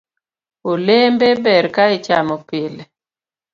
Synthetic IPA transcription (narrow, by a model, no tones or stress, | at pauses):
olembebɛɾkait͡ʃamopele